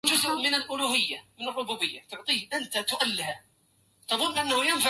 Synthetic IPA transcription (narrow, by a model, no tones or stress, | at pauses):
d͡ʒʊzʔmɪnalʔʊluːhɪjːamɪnɑrˤːʊbuːbɪjːat̪ʊʕt̪ˤiːhʔant̪at̪ʊʔalːɪha | t̪ɑðˤʊnːʔanːahʊjɪnfa